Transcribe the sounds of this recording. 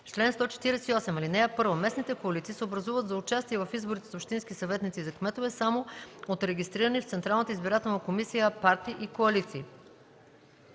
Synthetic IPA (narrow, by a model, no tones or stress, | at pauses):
t͡ʃlɛnst̪ɔt͡ʃɛ̥t̪iɾɛsɛiɔsɛmɐlinɛɛpɤɾvomɛsnit̪ɛkoɐlit̪sisɛobɾɐzuvət̪zɐʊt͡ʃast̪iɛvɐfizboɾit̪ɛsopʃt̪inskʲisɐvɛt̪nit̪sizɐkmɛt̪ovɛsamoot̪ɾɛɡʲist̪ɾiɾənift̪sɛnt̪ɾalˠnət̪əizbiɾat̪ɛlˠnəkomisijəpaɾt̪iʔikoɐlit̪siː